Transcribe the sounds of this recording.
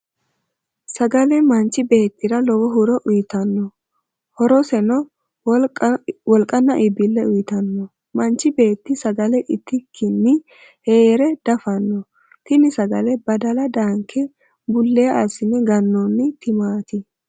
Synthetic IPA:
sɐɡɐlɛmɐnt͡ʃːɪbe̞ːt̪ːɪɾɐlɔwɔɦʊɾɔʔʊjɪt̪ɐnːɔ | hɔɾɔsɛnɔ | wɔlkʼɐnːɐʔɪbːɪlːɛʊjɪt̪ɐnːɔ | mɐnt͡ʃːɪbe̞ːt̪ːɪsɐɡɐlɛʔɪt̪ːɪkʰːɪnːɪ | heːɾɛd̪̥ɐfɐnːɔ | t̪ɪnɪsɐɡɐlɛbɐd̪ɐlɐd̪aːŋkʰːɛ | bʊlːɛɐsɪnɛɡɐnːɔnːɪt̪ɪmaːt̪ɪ

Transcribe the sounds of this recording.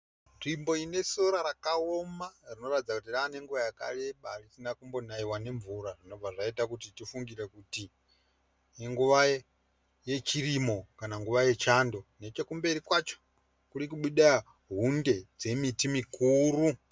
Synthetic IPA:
nrimbo̞ine̞soɾaɾakaomarino̞ratid͡zakutiraːne̞ŋɡuʋajaka̰le̞ɓarisinakumbo̞naiwane̞ɱvuɾaʐino̞vaʐaitakutitifuŋɡirekuti | ŋɡuʋa | je̞t͡ʃirimo̞kanaŋɡuʋaje̞t͡ʃando̞ne̞t͡ʃekumbe̞ɾikwat͡ʃo̥ | kurikuɓuɗaa | ɦunde̞d͡ze̞mitimikuːru

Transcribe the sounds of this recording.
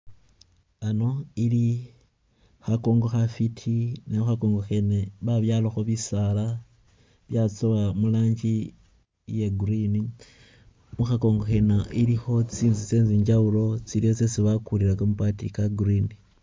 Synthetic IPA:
ano̞ili | xako̞ːŋɡo̞xafitʰinexako̞ːŋɡoxeneβaβjaloxoβisala | βjat͡soβamulaːɲd͡ʒi | je̞ɡurini | muxako̞ːŋɡo̞xe̞naʔilixo̞t͡siːnzit͡se̞ːnziːɲd͡ʒaβulo̞t͡siliot͡sesiβakuliɾakomupatikaɡurini

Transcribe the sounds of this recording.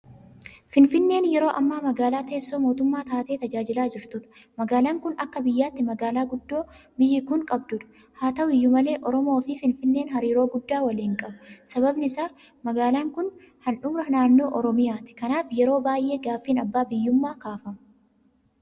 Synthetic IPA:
fɪnfɪnːe̞ːnjɛɾo̞ːʔɐmːaːmɐɡaːlaːt̪e̞ːsːo̞ːmo̞ːt̪ʊmːaːt̪aːt̪e̞ːt̪ɐd͡ʒaːd͡ʒɪlaːd͡ʒɪɾt̪ʊᶑɐ̥ | mɐɡaːlaːŋkʊnɐkːɐbɪjːaːt̪ːɪmɐɡaːlaːɡʊd̪ːo̞ːbɪjːɪkʊŋkʼɐbd̪ʊᶑɐ̥ | haːt̪ɐʔʊɪjːʊmɐle̞ːʔɔɾɔmo̞ːfɪfɪnfɪnːe̞ːnɦɐɾiːɾo̞ːɡʊd̪ːaːwɐliːŋkʼɐbɐsɐbɐbnɪɪsaː | mɐɡaːlaːŋkʊn | hɐnᶑʊːɾɐnaːnːo̞ːʔɔɾɔmɪjaːt̪ɪ̥kɐnaːfjɛɾo̞ːbaːjʔe̞ːɡaːfːiːnɐbːaːbɪjːʊmːaːkaːfɐmɐ

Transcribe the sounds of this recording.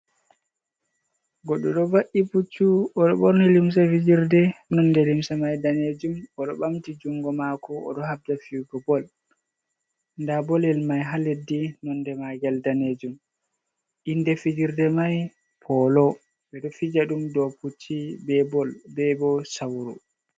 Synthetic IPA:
ɡɔɗɔɗɔvaʔiput͡ʃːuɔɗɔɓɔɾnilims̬afid͡ʒiɾdɛnɔndɛlimsamajdaned͡ʒumɔɗɔɓamtid͡ʒuŋɡɔmakʰɔɔ̰ɗɔɦab̚d͡ʒafiɡɔbɔl | ndabɔlɛlmajɦaledːinɔndɛmaɡaldaned͡ʒum | ʔindɛfid͡ʒiɾdɛmaj | pʰɔlɔ | bɛɗɔfid͡ʒaɗumdɔput͡ʃʰːibɛbɔlbɛbɔsawɾṵ

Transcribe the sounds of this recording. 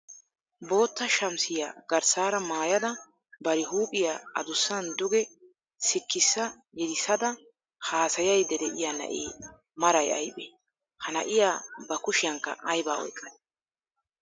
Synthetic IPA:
bo̞ːt̪ːɐʃɐmsɪja̰ːɡɐɾsaːɾɐmaːjɐd̪ɐ | bɐɾɪɦuːpʼːɪjaɐd̪ʊsːɐnd̪ʊɡɛ | sɪkːɪsːɐ | jɛd̪ɪsːɐd̪ɐ | haːsɐjɐjd̪ɛd̪ɛʔɪjaːnɐ̰ʔḛː | mɐɾɐjɐ̰jbʼeː | hɐnɐ̰ʔɪjaːbɐkʊʃɪjɐŋkːɐ̰ʔɐjbaːɔ̰jkʼːɐd̪

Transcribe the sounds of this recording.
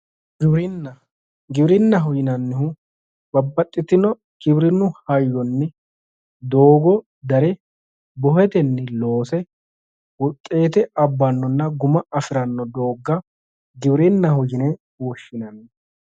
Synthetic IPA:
ɡɪbɾɪnːɐ | ɡɪbɾɪnːɐɦʊjɪnɐnːɪhʊ | bɐbːɐt̪ʼːɪt̪ɪnɔ | ɡɪbɾɪnːʊhɐjːɔnːɪ | d̪oːɡɔ | d̪ɐɾɛ | bɔhɛt̪ɛnːɪlo̞ːsɛ | wɔt̪ʼːe̞ːt̪ɛɐbːɐnːɔnːɐɡʊmɐɐfɪɾɐnːɔd̪o̞ːɡːɐ | ɡɪbɾɪnːɐhʊd͡ʒɪnɛ | wɔʃːɪnɐnːɪ

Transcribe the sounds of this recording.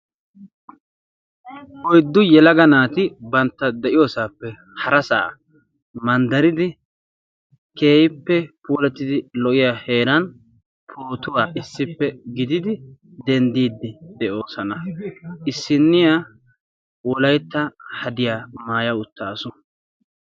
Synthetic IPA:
hɔjd̪ːʊjɛlɐɡɐnaːt̪ɪbɐnt̪ːɐd̪ɛʔɪjo̞ːsaːpːɛ | hɐɾɐsa̰ː | mɐnd̪ɐɾɪd̪ɪ | ke̞ːhɪpːɛpuːlɛt̪ːɪd̪ɪlɔʔɪjaːhe̞ːɾɐn | pʰoːt̪ʊwaːʔɪsːɪpːɛɡɪd̪ɪd̪ɪd̪ɛnd̪iːd̪ːɪd̪ɛʔo̞ːsɐnɐɪsːɪnːɪja | wɔlɐjt̪ːɐhɐd̪ɪjaːmaːjɐʊt̪ːaːsʊ

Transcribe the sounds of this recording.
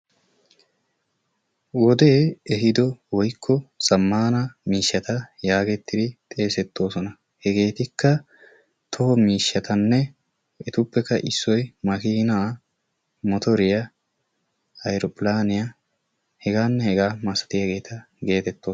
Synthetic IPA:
wɔd̪e̞ːɛɦɪd̪ɔwɔjkʰːɔsɐmːaːnɐmiːʃːɐt̪ɐjaːɡɛt̪ːɪd̪ɪt̪ʼe̞ːsɛt̪ːo̞ːsɔnɐ | hɛɡe̞ːt̪ɪkːɐ | t̪ʰɔhɔmiːʃːɐt̪ʰɐnːɛ | ɛt̪ʊpːɛkːɐʔɪsːɔjmɐkiːnaː | mɔt̪ɔɾɪjɐ | ɐjɾɔpʼɪlaːnɪja | hɛɡaːnːɛhɛɡaːmɐsɐ̥t̪ɪjɐɡe̞ːt̪ʰɐ | ɡe̞ːt̪ɛt̪ːoː

